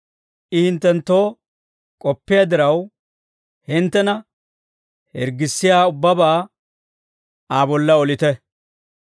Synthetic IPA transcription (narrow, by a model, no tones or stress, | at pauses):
ʔɪhɪnt̪ːɛnt̪ːo̞ː | kʼɔpːɪjaːd̪ɪɾɐw | hɪnt̪ːɛnɐ | hɛ̰ɾɡɪsːɪjaːʊbːɐbaː | aːbɔlːɐɔlɪt̪ɛ